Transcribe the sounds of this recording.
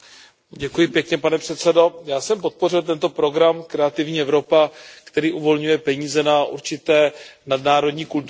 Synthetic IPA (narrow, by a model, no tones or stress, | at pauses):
ɟɛkujɪpjɛkɲɛpanɛpr̝̥ɛt̪t͡sɛdo̞jaːsɛmpo̞t̪̚po̞rɪlt̪ɛnt̪o̞pɾo̞ɡɾamkɾɛat̪ɪvɲiːɛvɾo̞pakt̪ɛɾiːʔuvo̞lɲujɛpɛɲiːzɛnaʔṵɾt͡ʃɪt̪ɛːnadnaːɾo̞dɲiːkult̪